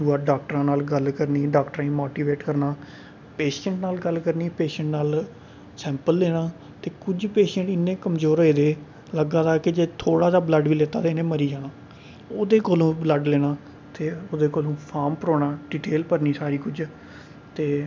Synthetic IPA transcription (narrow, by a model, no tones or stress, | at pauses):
duːaːɖaːk̚ʈɾãːnaːlɡəlkəɾniːɖaːkʈɾãĩːmoːʈiːʋeːʈkəɾnaː | peːʃə̃ɳʈnaːlɡəlkəɾniːpeːʃə̃ɳʈnaːl | sɛ̃ːmpəlːeːnaː | t̪eːkʊd͡ʒpeːʃə̃ɳʈɪnːẽːkəmzoːɾoːeːd̪eː | ləɡaːt̪aːkɪd͡ʒeːt̪ʰoːɽaːd̪aːbləɖʋiːleːt̪aːt̪eɪnẽːməɾiːd͡ʒaːɽ̃aː | oːd̪eːkoːlũːbləɖleːɽ̃aː | t̪eːoːd̪eːkoːlũːpʰaːmpəɾoːɽaːɖiʈeːlpəɾniːsaːɾiːkʊd͡ʒ | t̪eː